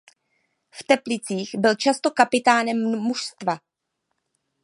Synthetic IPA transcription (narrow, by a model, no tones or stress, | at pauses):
ft̪ɛplɪt͡siːxbɪlt͡ʃast̪o̞kapɪt̪aːnɛmːuʃst̪va